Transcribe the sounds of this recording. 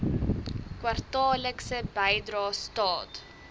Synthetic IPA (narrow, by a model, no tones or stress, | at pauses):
kwɐrtɑːləksəbɛjdɾɑːstɑːt